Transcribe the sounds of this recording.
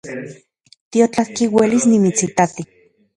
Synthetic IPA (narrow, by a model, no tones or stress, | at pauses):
t̪iot͡ɬahkiwelisnimit͡sit̪at̪i